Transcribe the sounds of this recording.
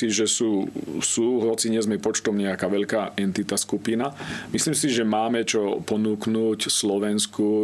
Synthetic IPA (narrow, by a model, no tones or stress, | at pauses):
iʒɛsuːsuːɦlɔt͡siɲɛzmɛpɔt͡ʃt̪ɔʊɲɛakaːʋɛʎkaːʔɛnt̪it̪askupinamisliːmsiʒɛmaːmɛt͡ʃɔpɔnuːknuːcslɔʋɛnsku